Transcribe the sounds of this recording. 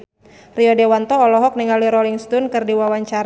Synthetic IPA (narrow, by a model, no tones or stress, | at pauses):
riɔdewant̪ɔːlɔɦɔk̚niŋaliɾɔliŋst̪unkɨrdiwawaɲt͡ʃaɾ